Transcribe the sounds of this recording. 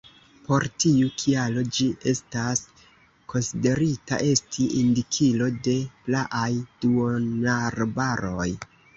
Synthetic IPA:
po̞ɾtiukʰialo̞d͡ʒiʔe̞stas | ko̞nside̞ɾita̰ʔe̞stʰiʔindikʰilo̞de̞plaʔajd̥uonaɾbaɾo̞j

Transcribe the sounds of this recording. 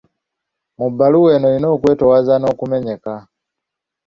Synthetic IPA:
mubaluwɛnɔinɔkwɛtɔwazanɔkumɛɲɛka

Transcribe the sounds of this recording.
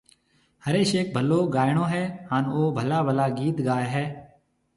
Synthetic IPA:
həɾeːʃeːk̚bʱəloːɡaːjɳ̃õːɦɛːɦaːnoːbʱəlaːbʱəlaːɡiːt̪ɡaːeɦɛː

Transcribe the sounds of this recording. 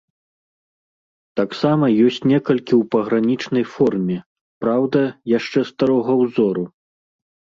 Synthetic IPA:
t̪aksamɐjɔsʲt͡sʲnʲɛkɐlʲkʲiwpɐɣɾanʲit͡ʂnɐjfɔrmʲɛ | pɾawd̪ɐjaʂt͡ʂɛst̪aɾɔɣɐwzɔɾu

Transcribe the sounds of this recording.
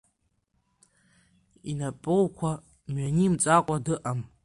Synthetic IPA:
inapʼɨlkʷʰa | mɥanimt͡sʼakʷʼadɨʔam

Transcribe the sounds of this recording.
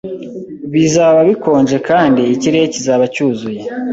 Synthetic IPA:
βizaːβaβiko̞ːɲd͡ʒe̞kaːndiːciɾejecizaːβacuːzuje̞

